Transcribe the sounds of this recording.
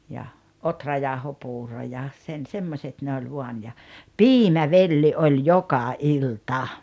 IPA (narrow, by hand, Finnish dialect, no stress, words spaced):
jɑ otrɑjɑˑohopuːro jɑ sen semːosʲet ne olʲ ʋuɑn jɑ piːmæʋelːi ʔolʲ jokɑ iltɑ